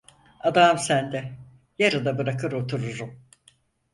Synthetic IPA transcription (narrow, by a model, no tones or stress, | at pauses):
ad̪amsænd̪ɛ | jaɾɯd̪abɯɾakɯɾot̪ʰuɾuɾum